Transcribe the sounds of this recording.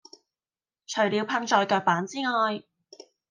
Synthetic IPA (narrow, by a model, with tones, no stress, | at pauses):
t͡ʃʰɵ˨˩ɥliː˨˧wpʰɐ˧ŋt͡ʃɔː˧jkœː˧k̚paː˨˥nt͡siː˥ŋɔː˧j